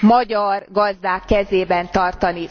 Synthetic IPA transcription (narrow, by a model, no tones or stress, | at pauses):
mɒɟɒrɡɒzd̪aːkːɛzeːbɛnt̪ɒrt̪ɒni